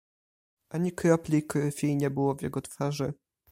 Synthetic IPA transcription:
ʔaɲikɾɔplʲijkɾɘfʲijɲɛbɘwɔvjɛ̰ɡɔt̪faʐɘ

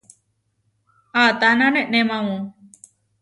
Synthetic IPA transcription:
at̪anãnẽʔnemãwũ

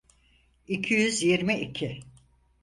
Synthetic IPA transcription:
icʰijyzjiɾmiʔicʰi

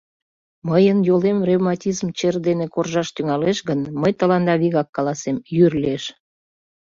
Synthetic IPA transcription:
məjənjolemrevmɑtʲizmt͡ɕerd̪enekorʒɑʃt̪yŋɑleʃɣənməjt̪əlɑnd̪ɑβiɣɑkːɑlɑsemjyrleʃ

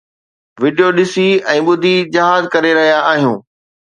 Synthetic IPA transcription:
ʋɪɖijoɗɪsiɛ̃ːɓʊd̪ʱid͡ʑɐɦaːzkɐɾeɾɐɦijaːɦijũː

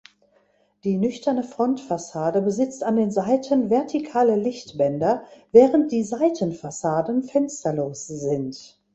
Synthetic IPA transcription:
d̥iːnʏçtɐnəfʁ̥ɔntfasaːdəbəzɪt͡standeːnzaɪtʰənvɛɐtʰikʰaːləlɪçtb̥ɛndɐvɛːʁ̞ənt̚d̥iːzaɪtənfasaːdn̩fɛnstɐloːsz̥ɪnt

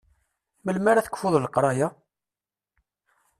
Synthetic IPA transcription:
məlmaɾaθə̥kʷfʊðˤlqɾˤɑja

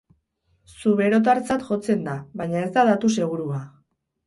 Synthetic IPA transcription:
suβe̞ɾo̞t̪̬aɾt͡sat̪ʝo̞t͡se̞nd̪aβajɲae̞zd̪aðat̪use̞ɣ̞uɾua

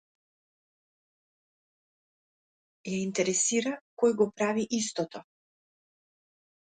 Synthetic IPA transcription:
jaint̪ɛɾɛsiɾakɔjɡɔpɾaviʔist̪ɔt̪ɔ

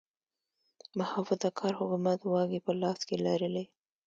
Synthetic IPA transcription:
mahafʊd̪akʰɑɾhʊkumat̪wɑɡipəlɑskelaɾəle

